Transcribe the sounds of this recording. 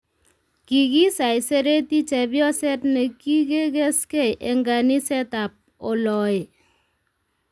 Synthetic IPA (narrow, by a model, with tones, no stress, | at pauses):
ki˨ki˦sa˨jse˦ɾe˦ti˦t͡ʃɛ˨bjɔ˦sɛ˦tnɛ˨ki˦ke˦ke˦skɛ˦jʔe˨ŋɡa˨ni˦sɛ˦ta˨p̚ | o˨lɔ˨ɪ˨